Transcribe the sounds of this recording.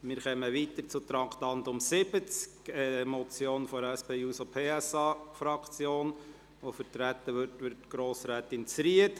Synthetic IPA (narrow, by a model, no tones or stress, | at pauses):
mɪɾχɛməʋit̪əɾt͡sʊt̪ɾɑŋktɑnd̪ʊmsɪb̥ət͡skɛmɔt͡sjoːnfɔɾæspeːuːsopʰeːɛsɑːfɾɑkt͡sjoːn | ʋofəɾtɾæt̪əʋʏtʋɪɾtɡ̥ɾoːsɾæːt̪ɪnt͡sɾiət